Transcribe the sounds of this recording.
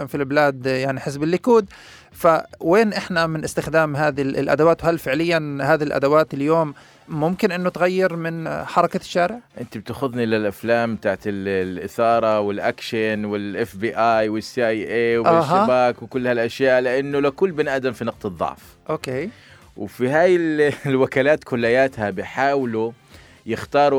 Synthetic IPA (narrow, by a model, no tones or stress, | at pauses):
filbɪlaːd̪jaʕniħɪs̬bɪlːɪkuːd̪ | faweːnʔɪħnamɪnʔɪst̪ɪxd̪aːmɦaːðilʔa̰d̪awaːt̪whalːfɪʕlɪjːanhaːðiilʔa̰d̪awaːt̪ɪljoːmː | ʊmkɪnʔɪnːʊt̪ɣajːɪɾmɪnħɑɾˤɑkaʃːaːɾɪʕʔɪnt̪ib̚t̪axʊðnilɪlʔaflaːmbt̪aːʕat̪ɪllʔɪθɑːɾˤɑwɪlʔakʃanwɪlʔɪfbiːʔaːjwɪsːiʔajʔeːwʔaʃɦabaːkwkʊlːhalʔaʃjaːʔlɪʔanːʊlakuːlbɪnʔad̪amfinɑq̚t̪ɨðˤːɑ̰ʕf | ʔoːkeː | wfiɦaːjɪllwakaːlaːt̪kʊlːajaːt̪habɪħaːwlu | jɪxt̪ɑːɾˤ